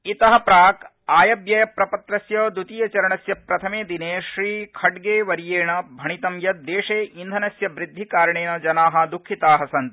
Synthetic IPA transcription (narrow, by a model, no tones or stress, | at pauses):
it̪ɐɦɐ̆pɾaːk | aːjɐbjɐjɐpɾɐpɐt̪ɾɐsjɐːd̪ut̪ijɐt͡ʃɐɾɐɳɐsjɐpɾɐt̪ʰɐmeːd̪ineːʃɾiːkʰɐɖɡeːʋɐɾjeːɳɐbʱɐɳit̪ɐmjɐt̪̚d̪eːʂeːʔind̪ʱɐnɐsjɐʋɾid̪ʱːikaːɾɐɳeːnɐd͡ʒɐnaːɦɐ̆d̪ukʰːit̪aːɦɐsɐnt̪